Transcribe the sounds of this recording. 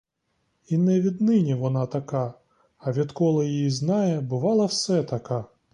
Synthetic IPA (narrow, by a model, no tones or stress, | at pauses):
inɛʋʲid̪nɪnʲɛʋɔnat̪ɐka | ɐʋʲit̪kɔlˠɐjijiznajɛbɨʋɑlˠɐwsɛt̪ɐka